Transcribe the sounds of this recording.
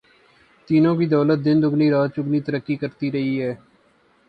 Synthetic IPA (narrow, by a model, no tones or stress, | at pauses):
t̪iːnõːkiːd̪ɔːlət̪̚d̪ɪnd̪ʊɡniːɾaːd̪̚t͡ʃʊɡniːt̪əɾəkːiːkəɾt̪iːɾəɦiːɦɛː